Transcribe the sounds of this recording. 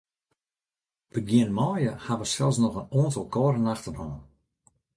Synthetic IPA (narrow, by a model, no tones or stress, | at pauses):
b̥əɡjɪənmɔːjəhaʋəsɛlˠsnɔɣənoəntəlˠkɔːɾənaxtənɔːn